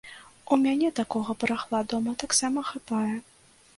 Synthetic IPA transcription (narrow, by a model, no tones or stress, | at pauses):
umʲanʲɛt̪akɔɣɐpɾaxlˠad̪ɔmɐt̪aksamɐxapajɛ